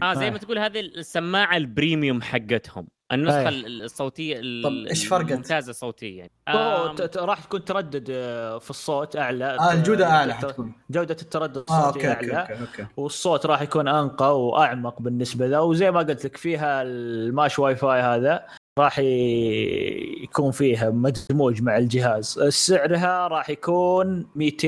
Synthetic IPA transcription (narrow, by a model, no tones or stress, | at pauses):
ʔaːzajːmat̪ɡuːlhaːðisːamːaːʕalbɾiːmjʊmħaɡːɪt̪hʊmʔɪnːɑsˤxasˤːoːt̪ɪjːaeːʃfɑɾˤɡʊmt̪aːzasˤoːt̪ɪjːa̰ʔoɾˤɑːħt̪ḁkuːnt̪ɑɾˤɑd̪ːʊd̪fisˤːoːt̪ʔaʕlaad͡ʒuːd̪aʔaʕlaħakuːnd͡ʒawd̪at̪ɪt̪ːɑɾˤɑd̪ːad̪sˤotːaʕlaokewɪsˤːoːt̪ɾˤɑːħjakuːnʔanqɑwʔaʕmɑqbɪnːɪsbalaawzajːmaɡʊlt̪lɪkfiːɦamaʃwajfaːjhaːða | ɾˤɑːħ | jkuːnfiːɦamad̪muːd͡ʒmaʕɪld͡ʒɪɦaːzɪsɪʕɾɦaɾˤɑːħjakuːnmiːt̪e